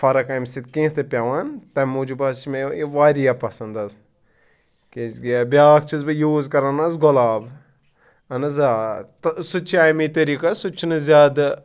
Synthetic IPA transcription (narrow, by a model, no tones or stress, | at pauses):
fɐɾɐkamsit̪̚kẽːt̪ɐpʲaʋant̪ɐmud͡ʒubɐsmeiʋaːɾijapɐsɐnd̪ɐz | keɡbʲjaːk̚ʰt͡ʃʰizbɐjuːzkɐɾanazɡɔlaːb | ɐnɐzat̪sut͡ʃʰaːjmit̪ɐɾiːkasut͡ʃʰːinɨzʲaːd̪